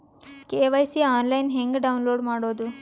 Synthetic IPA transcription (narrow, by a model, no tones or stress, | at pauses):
keːʋɐjsiaːnlɐjnɦeŋɡɖɐwnloːɖmaːɽoːd̪u